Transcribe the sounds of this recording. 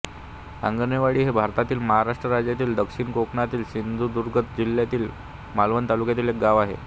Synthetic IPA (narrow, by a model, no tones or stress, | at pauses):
a̰ŋɡənjeʋaɽiːɦebʱaɾt̪at̪iːlməɦaɾaʂʈɾəɾad͡ʑjat̪iːld̪əkʂiːɳkokɳat̪iːlɕind̪ʱud̪uɾɡʱət̪d͡ʑiljat̪iːl | malʋənt̪alukjat̪̬iːlek̚ɡaʋaɦḛ